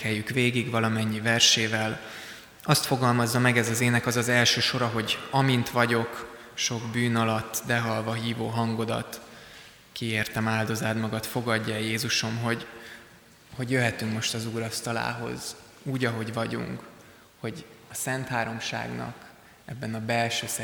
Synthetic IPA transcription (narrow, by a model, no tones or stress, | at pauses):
ɛjːykʋeːɡiɡvɒlɒmɛɲːivɛrʃeːvɛl | ɒst̪fo̞ɡɒlmɒzːɒmɛɡɛzɒzeːnɛkɒzɒzɛlʃøːʃo̞ɾɒɦo̞ɟɒmint̪ʋɒɟo̞k | ʃo̞ɡbyːnɒlɒt̪ːd̪ɛɦɒlvɒɦiːvoːɦɒŋɡo̞d̪ɒ̰t̪ | kieːrt̪ɛmaːld̪o̞zaːd̪mɒɡɒt̪fo̞ɡɒɟːɒɛjeːzuʃo̞mɦo̞ɟ | ho̞ɟjøɦɛt̪yŋkmo̞ʃt̪ɒzuːɾɒst̪ɒla̰ːɦo̞̰z | uːɟɒɦo̞ɟvɒɟṵŋk | ho̞ɟɒsɛnt̪haːɾo̞mʃa̰ːɡnɒ̰k | ɛ̰bːɛnɒbɛlʃøːsɛ